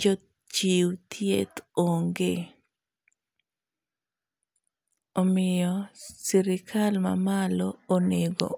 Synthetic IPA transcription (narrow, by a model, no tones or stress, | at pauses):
d͡ʒɔ | t͡ʃiwt̪ʰjet̪oŋɡe | omɪjɔsiɾɪkʰalma̰malɔːneɡɔ̰